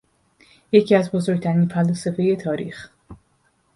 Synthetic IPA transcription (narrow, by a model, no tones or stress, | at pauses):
je̞cʰiːæzbo̞zo̞ɾɡ̚t̪ʰæɾiːnfælɔːsefe̞je̞t̪ʰɒːɾḭːx